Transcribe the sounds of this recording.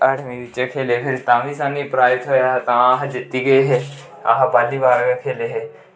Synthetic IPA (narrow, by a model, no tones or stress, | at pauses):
əʈʰʋĩːʋɪt͡ʃekʰeːlepʰɪɾt̪ãːʋisãːnipɾaːɾɪt̪ɦoːjaɦt̪ãaːɦd͡ʒɪt̪ːiɡɐeɦɛː | a̰ːɦbaːlibaːɾɡekʰeːleɦɛː